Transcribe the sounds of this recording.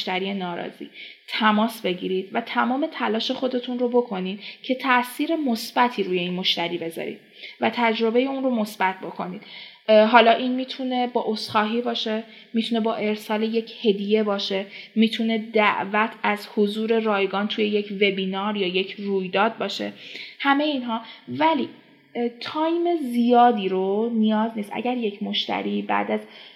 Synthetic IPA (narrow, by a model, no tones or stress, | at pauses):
ʃt̪æɾije̞nɒːɾɒ̰zḭːt̪ʰæmɒːsbe̞ɟḭɾiːd̪̥væt̪ʰæmɒːme̞t̪ʰælɒːʃe̞xo̞d̪e̞t̪ʰunro̞bo̞kʰo̞nid̪̥cʰe̞t̪ʰæʔsiːɾe̞mosb̥æt̪ʰiːɾuːje̞iːnmo̞ʃt̪æɾiːbe̞zɒ̰ːɾḭːd̪̥̚ | væt̪ʰæd͡ʒɾo̞be̞je̞unro̞mo̞sb̥æt̪̚ʰbo̞kʰo̞nid̪̥ | ɦɒːlɒːʔinmiːt̪ʰune̞bɒːʔosχɒːɦiːbɒːʃe̞ | mit̪ʰune̞bɒːʔe̞ɾsɒːleje̞cʰhe̞d̪ije̞bɒːʃe̞miːt̪ʰune̞d̪æʔvæt̪ʰæzhozuːɾe̞rɒːjɡɒːnt̪ʰuje̞je̞cʰve̞biːnɒːɾjɒːjecʰruːjd̪ɒːd̪̚bɒːʃe̞̰hæme̞jeiːnɦɒːvæliː | t̪ʰɒːjme̞zijɒːd̪iːɾonijɒːzniːst̪ʔæ̰ɟæɾje̞cʰmo̞ʃt̪æ̰ɾibæ̰d̪æz